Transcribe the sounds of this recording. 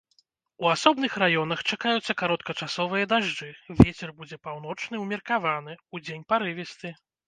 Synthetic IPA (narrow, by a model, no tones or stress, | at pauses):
uasɔbnɨxrajɔnɐxt͡ʂakajut̪sːɐkaɾɔt̪̚kɐt͡ʂasɔvɨjɐd̪aʐd͡ʐɨvʲet͡sʲɛrbud͡zʲɛpawn̪ɔt͡ʂn̪ɨwmʲɛrkavanɨud͡zʲenʲpaɾɨvʲɛst̪ɨ